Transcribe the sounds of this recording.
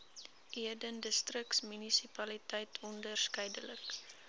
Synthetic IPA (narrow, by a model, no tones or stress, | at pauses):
ʔiədəndəstrəksmynisipɐlitɛjtʰɔndərskəjdələk